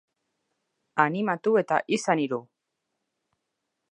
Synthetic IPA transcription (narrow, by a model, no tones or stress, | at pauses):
animat̪ue̞t̪a̰ʔisaniɾu